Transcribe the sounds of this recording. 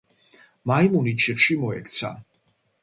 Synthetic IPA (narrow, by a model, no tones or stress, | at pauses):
maimunit͡ʃʰiχʃimɔɛkʰt̪sʰa̰